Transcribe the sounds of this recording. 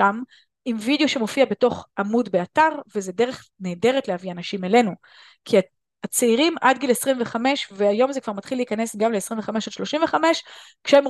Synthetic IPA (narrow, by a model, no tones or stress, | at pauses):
am | imvid̪ejo̞ʃe̞mo̞fiabe̞to̞χʔamudbeataʁvezedeʁe̞χneːde̞ʁetleavianaʃimele̞nu | kʰia | at͡seiʁimadɡilesʁimve̞χame̞ʃveajo̞mzekvaʁmatχileiikane̞sɡamleesʁiɱveχame̞ʃad̪ʃlo̞ʃimveχame̞ʃkʃeem